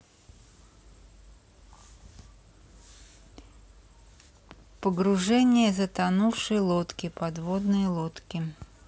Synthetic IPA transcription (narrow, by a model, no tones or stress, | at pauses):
pəɡɾʊʐɛnʲɪjəzət̪ɐnufʂɨjlˠot̪kʲɪpɐd̪vod̪nɨjəlˠot̪kʲɪ